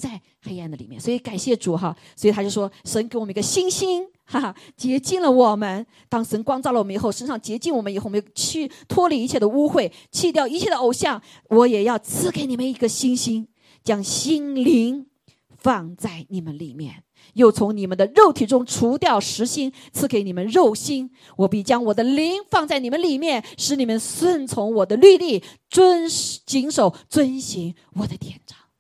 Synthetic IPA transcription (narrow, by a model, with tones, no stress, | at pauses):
t͡sa˥˩ɪ | xe˥ɪa˥˩nd̪ə˩li˨˩jɛ˥˩nswɔ˧˥i˧˥ka˨˩nɕjɛ˥˩ʈ͡ʂu˨˩xa˧swɔ˧˥i˨˩t̪ʰa˥jo˥˩ʊʂwɔ˥ʂə˧˥nke˧˥ɪwmə˦n˧ɡə˧ɕi˥nɕi˥n | a˥˩t͡ɕjɛ˧˥t͡ɕi˥˩nlə˨˩wɔ˨˩mə˦n | t̪ɑ˥ŋʂə˧˥nkwɑ˥ŋt͡sɑ˥˩ʊlə˨wɔ˨˩m˦˧˨xo˥˩ʊʂə˥nʂɑ˥˩ŋt͡ɕjɛ˧˥t͡ɕi˥˩nwɔ˨˩mə˦ni˨xo˥˩wjʊt͡ɕʰy˥˩t̪ʰwɔ˥li˨˩i˧˥t͡ɕʰjɛ˥˩d̪ə˨u˥xwe˥˩ɪ | t͡ɕʰi˥˧t̪jɑ˥˩ʊi˧˥t͡ɕʰjɛ˥˩d̪ə˨o˨˩ʊɕjɑ˥˩ŋ | wɔ˧˥jɛ˨˩jɑ˥˩ʊt͡sʰɹ̩˥˩ke˧ɪni˨˩mə˦ni˧˥ɡə˧ɕi˥nɕi˥n | t͡ɕjɑ˥ŋɕi˥nli˧˥ŋ | fɑ˥˧ŋt͡sa˥˩ɪni˨˩mə˦nli˨˩mjɛ̰˥˩n | jo˥˩ʊt͡sʰʊ˧˥ŋni˨˩mə˧˦nd̪ə˧ɻo˥˩ʊt̪ʰi˨˩ʈ͡ʂʊ˥ŋʈ͡ʂʰu˧˥t̪jɑ˥˩ʊʂɻ̩˧˥ɕi˥ŋ | t͡sʰɹ̩˥˩ke˧˥ɪni˨˩mə˦nɻo˥˩ʊɕi˥n | wɔ˨˩pi˥˩t͡ɕjɑ˥ŋwɔ˨˩d̪ə˦li˧˥ŋfɑ˥˧ŋt͡sa˥˩ɪni˨˩mə˦nli˨˩mjɛ˥˩nʂɻ̩˧˥ni˨˩mə˧˦nswə˥˧nt͡sʰʊ˧˥ŋwɔ˨˩d̪ə˦ly˥˧li˥˩t͡sə˥nt͡ɕi˧˥ŋʂo˨˩ʊt͡swə˥nɕi˧˥ŋ | wɔ˨˩d̪ə˦t̪jɛ˨˩nʈ͡ʂɑ̥˥˩˦ŋ